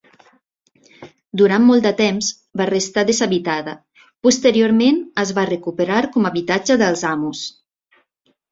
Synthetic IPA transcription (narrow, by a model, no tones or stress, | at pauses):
d̪uɾanːɔlˠd̪ət̪ɛmz | barəst̪aðezaβit̪aðə | pust̪əɾioɾmenəzβarəkupəɾaɾkɔmaβit̪ad͡ʒəðəlˠzamus